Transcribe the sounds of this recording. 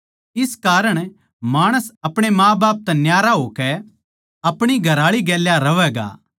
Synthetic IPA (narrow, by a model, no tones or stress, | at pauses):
ɪskaːɾəɽ̃ | maːɽ̃əsɐpɽ̃emãːbaːp̚t̪ɛnjaːɾaɦoːkɛ | ɐpɽ̃iɡʱɐɾaːɭiɡɛːljaɾɐʋɛːɡa̰ː